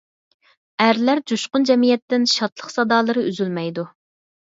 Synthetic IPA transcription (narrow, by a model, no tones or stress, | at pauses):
æɾlæɾd͡ʒuʃqʊnd͡ʒɛmijɛt̪ːɪnʃɑt̪lˠəqsɑd̪ɑːlˠɨɾɨʔyzylmɛjd̪u